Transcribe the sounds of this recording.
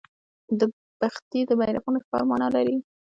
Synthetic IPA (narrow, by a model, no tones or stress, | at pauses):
d̪ə | baxt̪id̪əbajɾafunoxkɑ̰ɾmɑnɑlaɾi